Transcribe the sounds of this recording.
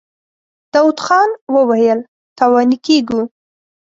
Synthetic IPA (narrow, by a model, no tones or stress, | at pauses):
d̪̥ɑwud̪xɑnwəwajəl | t̪awɑnikeɡu